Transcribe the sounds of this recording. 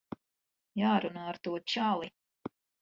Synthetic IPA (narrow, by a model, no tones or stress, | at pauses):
jaːɾunaːɾt̪uɔt͡ʃalˠi